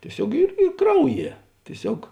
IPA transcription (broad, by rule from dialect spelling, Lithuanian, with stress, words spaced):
tʲiɛˈsʲoːk ɪr ˈiː ˈkrɐʊˌjiɛ tʲiɛˈsʲoːk